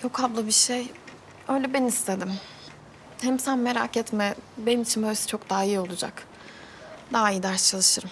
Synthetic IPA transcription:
jokʰablˠɯbiʃej | øjlʲɛbenimist̪ʰed̪im | hɛmsænmeɾa̰kɛt̪mɛbe̞nimit͡ʃʰinbøjsɛ̥t͡ʃʰo̞k̚d̪aːijo̞lˠud͡ʒa̰k | d̪aɦaijid̪aɾst͡ʃʰalˠɯʃɯɾm

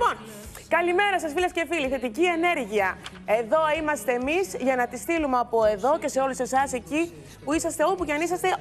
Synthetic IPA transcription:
pon | kɐlime̞ɾɐsɐsfilɐscefiliθe̞t̪icie̞ne̞ɾʝiɐ | e̞ðo̞imɐst̪eːmizʝɐnɐt̪ist̪ilumeɐpo̞e̞ðo̞ce̞se̞o̞luse̞sɐse̞ci | puisɐst̪e̞o̞puceɐnisɐst̪e̞

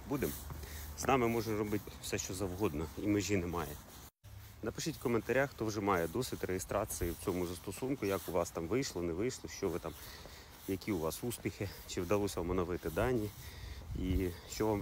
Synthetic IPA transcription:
bud̪emznɑmɪmɔʒrɔbɪtʲfsɛʃt͡ʃɔzɐwɦɔd̪nɔimɪʒʲinɛmɑjɛ̰ | nɐpɪʃɪtʲkɔment̪ɐɾʲaxt̪ɔwʒɛmɑjɛd̪ɔsʲɪtʲrejɪst̪ɾɑt͡s̪ɨjiwt͡sʲɔmʊzɐst̪ɔsunkʊjakʊʋɑst̪ɑmʋɪjʃlˠɔnɛʋɪjʃlˠɔʃt͡ʃɔʋɪt̪ɑm | jɐkʲiʊʋɑsuspʲixɪt͡ʃɪwd̪ɐlˠɔsʲɐmɔnɔʋɪt̪ɪd̪ɑnʲːi | iʃt͡ʃɔʋɑm

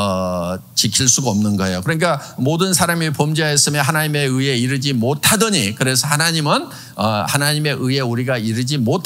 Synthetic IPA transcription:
ʌt͡ɕikʰiɭs͈uɡʌmnɯnɡʌe̞̰jokɯɾʌɲik͈amodɯnsʰaɾamipomd͡ʑiajʌs͈ɯmjʌɦanaɲime̞ɯe̞iɾɯd͡ʑimotʰadʌɲikɯɾe̞sʰʌhanaɲimɯn | ʌhanaɲime̞ʔɯe̞uɾiɡaiɾɯd͡ʑimotʰ

